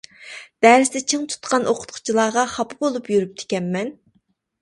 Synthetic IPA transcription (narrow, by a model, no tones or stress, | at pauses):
d̪̥æɾɪsɪd̪ɛt͡ʃʰeŋt̪ʰu̥t̪qʰɑnʔoqʰʊ̥t̪qʰʊ̥t͡ʃʰilˠɑːʁɑχɑpʰɨbolˠupjyɾyp̚t̪ʰe̥kʲɛmːɛn